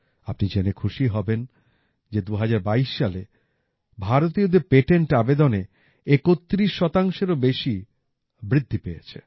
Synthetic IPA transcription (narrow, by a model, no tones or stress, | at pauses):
apnid͡ʑenekʰuʃiɦɔben | d͡ʑed̪uɦad͡ʑaɾbaiʃːale | bʱaɾot̪̬iod̪eɾpeʈeɳʈabed̪one | ekot̪ːɾiʃːɔt̪aŋʃeɾobeʃi | bɾid̪ʱːipejḛt͡ɕʰḛ